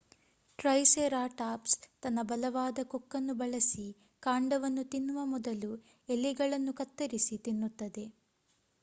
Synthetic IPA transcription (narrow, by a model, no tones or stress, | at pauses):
ʈɾɐjseɾaːʈaːpst̪ɐnːɐbɐlɐʋaːd̪ɐkokːɐnːubɐɭɐsi | kaːɳɖɐʋɐnːut̪inːuʋɐmɔd̪ɐlu | elːiɡɐɭɐnːukɐt̪ːɐɾisit̪inːut̪ːɐd̪e̞